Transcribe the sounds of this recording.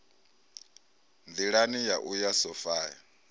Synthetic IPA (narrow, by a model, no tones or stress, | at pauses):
nd̪iɺanijaʔujasɔfaːja